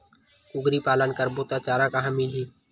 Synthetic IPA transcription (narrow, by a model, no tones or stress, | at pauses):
ʊɡɾiːpaːlənkəɾboːt̪aːt͡ʃaːɾãːkaːɦãːmiːliː